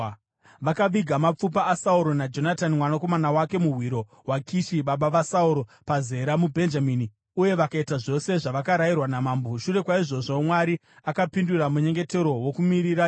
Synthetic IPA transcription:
ʋakaʋiɡʱamap͡fupaːsauɾo̞nad͡ʒo̞natanimwanako̞manawake̞muɦwiɾo̞ | wakiʃiɓaɓaʋasauɾo̞paze̞ɾamubʱe̞nd͡ʒamini | uje̞ʋakaitaʐo̞se̞ʐaʋakaɾajirwanamaːmboʃure̞kwaiʐo̞ʐo̞mwaɾi | akapinduramuɲe̞ŋɡe̞te̞ɾo̞wokumiɾiɾa

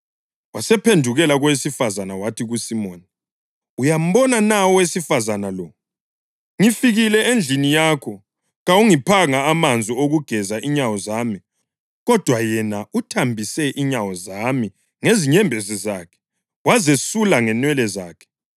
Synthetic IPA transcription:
wasɛpʰendʱuɣɛlaɣwesifazanawatʰiɣusimoːni | ujam̩βɔnanaɔwesifazanalɔ | ŋifiɣilɛend͡ɮʱinijaːkʰɔ | ɣawuŋipʰaŋaːmand͡zʱioɣuɡ̥ʱɛzaʔiɲawɔzaːmi | ɣɔd̥ʱwajɛnautʰambʱisɛʔiɲawɔzami | ŋeziɲɛmbʱezizaːkʰɛ̥ | wazesulaŋɛnwɛlɛzaːkʰɛ̥

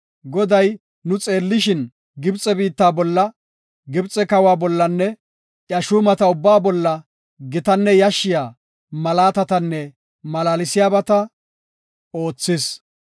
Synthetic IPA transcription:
ɡɔd̪ɐj | nʊt͡sʼe̞ːlːɪʃɪn | ɡɪbt͡sʼɛbiːt̪ːaːbɔlːɐ | ɡɪbt͡sʼɛkɐwaːbɔlːɐnːɛ | ʔjɐʃuːmɐt̪ɐʊbːaːbɔlːɐ | ɡɪt̪ɐnːɛjɐʃːɪjaː | mɐlaːt̪ɐt̪ɐnːɛ | mɐlaːlɪsɪjaːbɐt̪ɐ | o̞ːt͡sːɪs

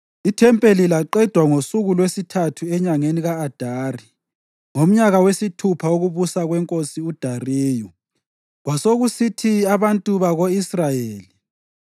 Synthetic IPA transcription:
itʰɛmpʼelilaǃɛd̥ʱwaŋosuɣulwesitʰatʰuɛɲaŋeniɣaːd̥ʱaːri | ŋom̩ɲaɣawesitʰupʰaoɣuβusaɣwɛŋkʼosiud̥ʱariːju | ɣwasoɣusitʰiaβantʼuβaɣoisrajeːli

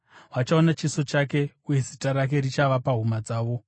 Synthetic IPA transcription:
ɦwat͡ʃaonat͡ʃiso̞t͡ʃake̞uje̞zitaɾak̬e̞rit͡ʃaʋapaɦumad͡zaːʋo̞

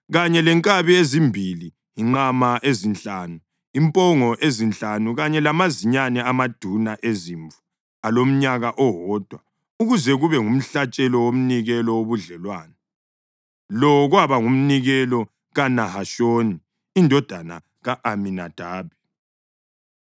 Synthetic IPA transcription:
ɣaɲɛlɛŋkʼaβiezimbʱili | iŋ͡ǃamaʔezint͡ɬʼaːnu | impʼɔŋɔʔezint͡ɬʼanuɣaɲɛlamaziɲanɛamad̥ʱunaʔeziɱvu̥ | alom̩ɲaɣaʔɔɦɔːd̥ʱwa | uɣuzɛɣuβɛŋum̩ɬat͡ʃʼɛlɔwom̩niɣɛlɔwoβuɮɛlwaːnɛ | lɔɣwaβaŋum̩niɣɛlɔ | ɣanahaʃoːni | indʱɔd̥ʱana̰ | ɣaʔaminad̥ʱaːβi

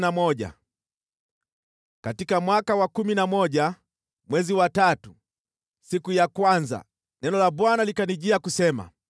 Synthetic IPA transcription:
namɔʄa̰ | katikamwakawakuminamɔʄa | mwɛziwatatu | sikujakwanza̰ | nɛnɔlaɓwanalikaniʄiakusɛma̰

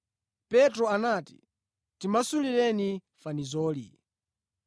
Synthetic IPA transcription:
pɛtɾɔanaːti̥̰ | timasuliɾɛni | fanizɔːli

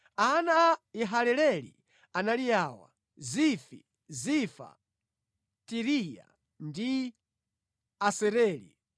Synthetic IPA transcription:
anaiɦalɛlɛlḭ | analijaːwa̰ | zifi | zifa̰ | tiɾija̰ | ndi | asɛɾɛːlḭ

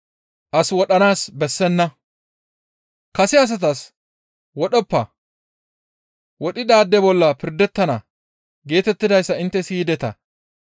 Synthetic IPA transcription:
ʔɐswɔɗɐnaːsbɛsːɛnːɐ | kɐsɪɐs̬ɐt̪̬ɐs | wɔɗɔpːɐ | wɔɗɪd̪aːd̪ːɛbɔlːɐpɪɾd̪ɛt̪ːɐnɐ | ɡe̞ːt̪ɛt̪ːɪd̪ɐjsːɐɪnt̪ːɛsiːd̪ɛt̪ɐ̰

